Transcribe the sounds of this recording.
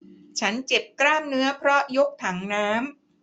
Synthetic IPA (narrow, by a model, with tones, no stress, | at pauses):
t͡ɕʰa˦˥nt͡ɕe˨˩p̚kɾaː˥˩mnɯ˦˥ɐpʰɾɔ˦˥jo˦˥k̚t̪ʰa˩˦ŋnaː˦˥m